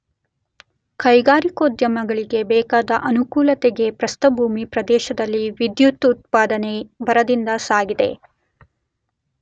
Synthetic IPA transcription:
kɐjɡaːɾikoːd̪jɐmɐɡɐɭiɡe̞bɛːkaːd̪ɐʔɐnukuːlɐt̪ɛɡe̞pɾɐst̪ɐbʱuːmipɾɐd̪ɛːʃɐd̪ɐlːiʋid̪jut̪ut̪̚paːd̪ɐnebɐɾɐd̪ind̪ɐsaːɡid̪e̞̰

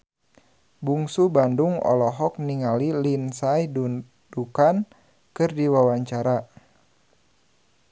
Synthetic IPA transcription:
buŋsubandʊŋɔ̰lɔɦɔk̚niŋalilinsajdu | dukan | kɨrdiwawaɲt͡ʃaɾa

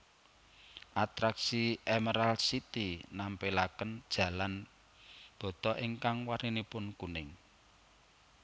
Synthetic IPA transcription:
ʔat̪ɾaksiʔɛməɾalsit̪inampelakənd̥ʒ̥ä̤lan | b̥ɔ̤t̪ɔʔiŋkaŋwaɾinipʊnkunɪŋ

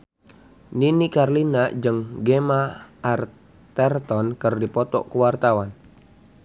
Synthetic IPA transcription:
ninikarlinaʔd͡ʒɨŋɡemaʔːr | t̪ɛrt̪ɔnkɨrdipɔt̪ɔʔkəwart̪awan

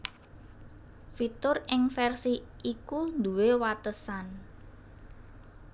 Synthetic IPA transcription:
fit̪ʊrɪŋfɛrsiʔikund̪uwewat̪əsan

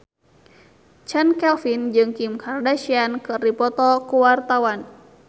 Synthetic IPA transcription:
t͡ʃankɛlfind͡ʒɨŋkimkʰardaʃiankɨripɔt̪ɔkuwart̪awan

